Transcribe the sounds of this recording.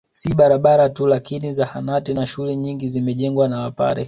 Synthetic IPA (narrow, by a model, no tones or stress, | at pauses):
siɓaɾaɓaɾatulakinizahanatinaʃulɛɲiŋɡizimɛʄɛŋɡwanawapa̰ɾɛ̰